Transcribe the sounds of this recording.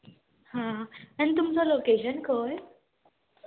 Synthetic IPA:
hãañit̪umt͡sɔlokeɕənkəɾ

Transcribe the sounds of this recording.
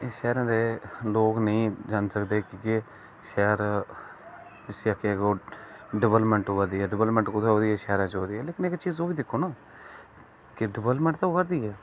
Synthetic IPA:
eʃɛːɾãːd̪eːloːknəĩːd͡ʒansəkd̪eːkɪke | ʃɛːɾ | d͡ʒɪsiːaːkʰːeɛːkoːɖɪʋələpmɛ̃ɳʈoːʋəɾd̪iːɛːɖɪʋələpmə̃ɳʈkʊt̪ʰeːɦoːd̪iːɛːʃɛːɾãːt͡ʃɦoːd̪iːɛːleːkɪnekt͡ʃiːzoːbiːd̪ɪkʰːoːnaː | kɪɖɪʋələpmɛ̃ɳʈ̚t̪aoːkəɾd̪iːɛː

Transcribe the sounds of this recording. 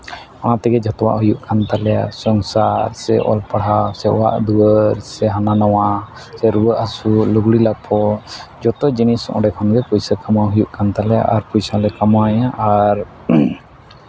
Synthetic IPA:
ɔnat̪ɛɡɛd͡ʒɔt̪ɔwa̰ʔɦujuʔkʰant̪alɛja̰sɔŋsaɾsɛʔɔ̰lpaɽ̤asɛʔɔ̰wa̰ʔd̪uəɾsɛɦananɔwa | sɛɾuəʔasulɔɡɽilapʰɔd͡ʒɔt̪ɔd͡ʒinisɔʔɔ̰ɖɛkʰɔnɡɛkujsəkamaɦujuʔkant̪alɛja̰ʔaɾpujsalɛkamajaʔaɾ

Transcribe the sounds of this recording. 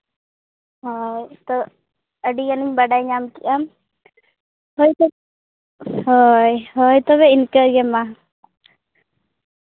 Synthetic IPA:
ɦɔjt̪ɔ | əɖiɡaniɲbaɖajɲamkiʔam | hɔj | ɦɔjɦɔjt̪ɔβɛɪnkəɾɡɛma

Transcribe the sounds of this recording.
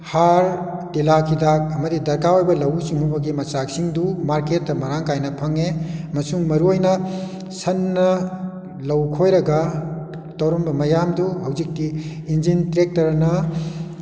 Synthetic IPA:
haɾtilakʰidak̚ɐmɐdidɐɾkaojbɐlɐwsiŋubɐɡimɐsak̚siŋdumaɾket̚ːɐmɐɾaŋkajnɐpʰɐŋemɐsuŋmɐɾuɔjnɐ | sɐnːɐ | lɐwkʰojɾɐɡɐ | tɐwɾombɐmɐjamduhɐwzik̚ti | ind͡ʒintɾek̚tɐɾnɐ

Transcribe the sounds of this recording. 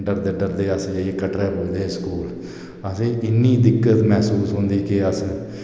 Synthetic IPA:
ɳʈəɾd̪əɖəɾd̪eːəskəʈɾɛːpoːid̪eːskuːl | əsẽːɪnːiːd̪ɪkːət̪mɛːsuːsɦõːnd̪iːkɪəs

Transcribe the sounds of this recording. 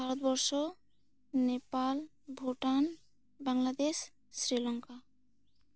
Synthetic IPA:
bʱaɾɔt̪bɔɾʃɔ | nepal | bʱoʈan | baŋlad̪eʃː | ɾilɔŋka

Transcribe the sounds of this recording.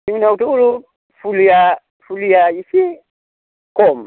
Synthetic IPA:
iŋinautuuɾu | fulia | fuliaifi | kɔm

